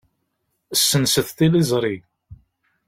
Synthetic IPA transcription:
əsːənsəθt̪ilizˤɾˤi

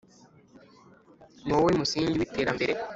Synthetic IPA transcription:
nowoimusiːɲɟiβite̞ːɾambe̞ɾe

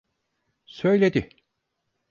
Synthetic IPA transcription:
sø̞jlʲed̪ɪ

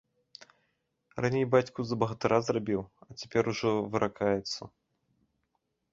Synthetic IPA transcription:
ranʲejbat͡sʲkuzɐbɐɣɐt̪ɨɾazrabʲiwɐt͡sʲḁpʲɛɾuʐɔvɨɾʔakajɛt̪sːɐ̰

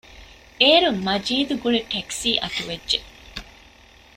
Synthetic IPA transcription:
eːɾumɐd͡ʒiːd̪uɡuɭeʈeksiːʔɐt̪uʋedʒe

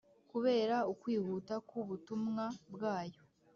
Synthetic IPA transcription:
kuβe̞ːɾaukwiːhutakuβutumŋabɡaːjo̞

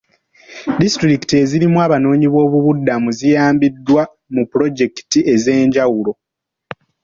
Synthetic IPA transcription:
distɾiki̥tie̞ziɾimwaːβano̞ːɲiβo̞ːβuβudːamuzijaːmbidːwa | mupːuɾo̞ɟe̞ki̥tiʔe̞ze̞ːɲɟawulo̞

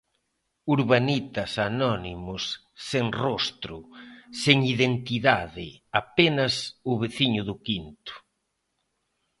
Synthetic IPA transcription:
uɾβanit̪ɐsanɔnimʊsː | eŋrost̪ɾʊseŋiðent̪iðaðɪapenɐsʊβeθiɲʊðʊkint̪ʊ̥

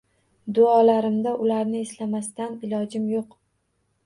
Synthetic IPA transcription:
d̪ʊɒlaɾɪmd̪aʔʊlaɾnɪeslamast̪anɪlɒd͡ʒɪmjoq

